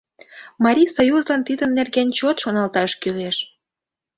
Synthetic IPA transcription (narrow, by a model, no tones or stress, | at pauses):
mɑɾʲijsojuzlɑnt̪id̪əmnːerɣenʲt͡ɕot̪ʃonɑlt̪ɑʃkyleʃ